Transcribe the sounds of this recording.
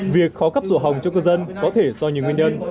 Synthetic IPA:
vi˨˩ək̚xɔ˨˦kə˦˥p̚zo̰˧˩ɦa˨˩wŋ͡mt͡ɕɔ˧kə˧zə˧nkɔ˨˦t̪ʰe˧˩zɔ˧ɲi˨əŋwi˧əɲə˧n

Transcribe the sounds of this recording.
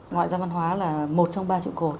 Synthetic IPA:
ŋɔ̰˧˨zaː˧va˧nɦwaː˨˦laː˨˩mo˨˩t̚t͡ɕɔ˧wŋ͡mɓaː˧t͡ɕḭ˧˨wko˨˩t̚

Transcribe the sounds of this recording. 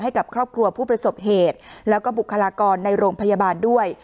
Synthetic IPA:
ɦa˥˩jka˨˩p̚kʰɾɔː˥˩p̚kʰɾu˧ɐpʰuː˥˩pɾa˧so˨˩p̚ɦeː˨˩t̪̚lɛː˦˥wkɔː˥˩bu˨˩kʰːa˧laː˧kɔː˧nːa˧jɾoː˧ŋpʰa˧ja˧baː˧ndu˥˩əj

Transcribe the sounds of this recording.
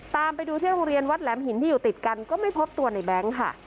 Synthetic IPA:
t̪aː˧mpa˧jduː˧t̪ʰi˥˩ɾo˧ŋɾi˧ənwa˦˥t̪̚lɛː˩˦mhi˨˩˦nt̪ʰiː˥˩juː˨˩t̪i˨˩t̪̚ka˧nkɔː˥˩ma˥˩jpʰo˦˥p̚t̪u˧ɐna˧jbɛ˦˥ŋkʰa˥˩

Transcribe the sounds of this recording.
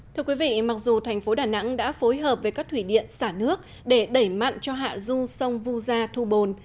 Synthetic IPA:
t̪ʰɨ˧əkwi˨˦vḭ˧˨ma˨˩k̚zu˨˩t̪ʰɛ˨˩jŋ̟fo˨˦ɗaː˨˩na̰˧˥ŋɗa̰ː˧˥fo˨˦jɦəː˨˩p̚ve˨˩kaː˦˥k̚t̪ʰwi˧˩ɗḭ˧˨ənsaː˧˩nɨ˦˥ək̚ | ɗe˧˩ɗə˧˩jma̰˧˨nt͡ɕɔ˧ɦa̰ː˧˨zu˧sə˧wŋ͡mvu˧zaː˧t̪ʰu˧ɓo˨˩n

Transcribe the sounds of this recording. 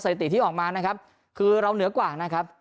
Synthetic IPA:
sa˧˩t̪i˨t̪ʰiː˥˩ʔɔː˨˩k̚maː˧na˦˥kʰa˦˥p̚ | kʰɯː˧ɾa˧wnɯ˩˦ɐkwaː˨˩na˦˥kʰa˦˥p̚

